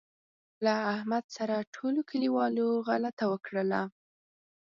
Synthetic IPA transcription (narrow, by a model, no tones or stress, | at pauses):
laːhmad̪saɾaʈʰolokʰəliwɑloɣalat̪awəkɽəla